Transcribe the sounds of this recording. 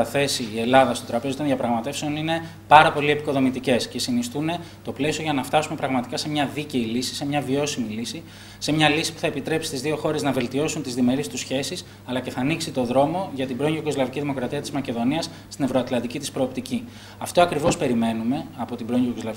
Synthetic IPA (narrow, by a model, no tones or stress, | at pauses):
ɐθe̞siːe̞lɐðɐst̪ot̪ɾɐpeot̪oðjɐpɾɐɣmɐt̪e̞fseo̞nine̞ | pɐɾɐpo̞lie̞piko̞ðo̞mit̪ice̞sce̞sinist̪une̞ | t̪o̞ple̞sio̞ʝɐnɐft̪ɐsume̞pɾɐɣmɐt̪i̥kɐse̞mɲɐðice̞ilisi̥se̞mɲɐvio̞similisi | se̞mɲɐlisi̥pu̥θɐepit̪ɾe̞psist̪izðio̞xo̞ɾe̞znɐve̞lt̪io̞sunt̪izðime̞ɾist̪usçe̞sis | ɐlɐce̞θɐːniksit̪o̞ðɾo̞mo̞ʝɐt̪ibɾo̞ŋʝuoko̞zlɐviciðimo̞kɾɐt̪iɐt̪izmɐce̞ðo̞niɐs | st̪inevɾoɐt̪lɐnd̪icit̪ispɾo̞ːpt̪ici | ɐft̪o̞ɐkɾivo̞spe̞ɾime̞nume̞ɐpo̞t̪ibɾoŋokozlɐv